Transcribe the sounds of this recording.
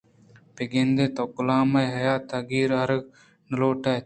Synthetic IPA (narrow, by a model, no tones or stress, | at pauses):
peɡend̪et̪okʊlaːmɐjɦɐjaːt̪ɐɡiːɾaɾɡ | nəloːʈa